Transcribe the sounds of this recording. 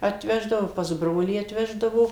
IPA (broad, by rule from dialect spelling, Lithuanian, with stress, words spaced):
ɐtʲˈʋʲæːʒdɐʋoː pɐs ˈbroːlʲiː ɐtʲˈʋʲæːʒdɐʋoː